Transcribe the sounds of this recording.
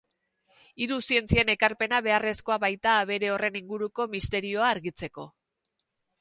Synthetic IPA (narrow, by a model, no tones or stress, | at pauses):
iɾusie̞nt͡siene̞kaɾpe̞naβe̞are̞sko̞aβajt̪aːβe̞ɾe̞o̞re̞niŋɡuɾuko̞mist̪e̞ɾio̞aːɾɣit͡se̞ko̞